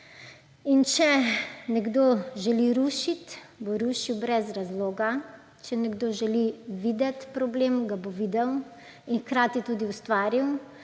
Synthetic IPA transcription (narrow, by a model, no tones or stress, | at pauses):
int͡ʃɛnɛɡd̪oʒɛliɾuːʃit̪boɾuːʃiwbɾɛzɾazloːɡa | t͡ʃɛnɛɡd̪oʒɛliʋiːd̪ɛt̪pɾɔbleːmɡaboʋiːd̪ɛwinxkɾaːt̪it̪uːd̪iust̪ʋaːɾiw